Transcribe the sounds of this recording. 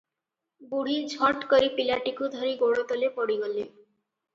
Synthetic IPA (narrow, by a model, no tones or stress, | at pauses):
buɽ̤iːd͡zʱɔʈkəɾiːpilaʈikud̪ʱəɾiːɡoɽət̪əlepəɽiɡəlːḛ